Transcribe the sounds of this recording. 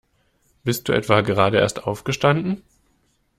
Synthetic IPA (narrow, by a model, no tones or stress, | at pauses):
b̥ɪst̚d̥uːʔɛ̰tv̥aɡəʁ̞aːdəḛːɐstʔaʊfɡ̥əʃtandn̩